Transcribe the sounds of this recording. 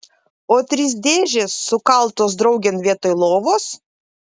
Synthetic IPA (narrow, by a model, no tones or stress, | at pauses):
oːt̪ʲɾʲɪs̬d̪ʲeːʒʲesːʊkɐlˠt̪oːs̬d̪ɾɐʊɡʲenʋʲiɛt̪oːjlˠoːʋoːs